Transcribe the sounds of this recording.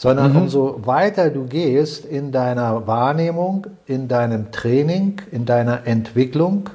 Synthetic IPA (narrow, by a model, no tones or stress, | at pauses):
z̥ɔndɐnʊmzovaɪtɐduːɡeːstɪndaɪnɐvaːɐneːmʊŋʔɪndaɪnəmtʁ̥ɛːnɪŋɪndaɪnɐʔɛntv̥ɪklʊŋ